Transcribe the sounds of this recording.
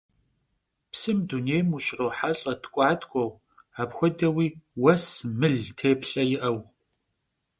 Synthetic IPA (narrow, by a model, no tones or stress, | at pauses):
psɨmduneːjmuʃrowħaɬʼɐtkʷʼɑːtʰʼkʷʼɔw | aːpxʷɔdɐwiːwɐsmɨɮtʰeːpɬɐjɪʔɐw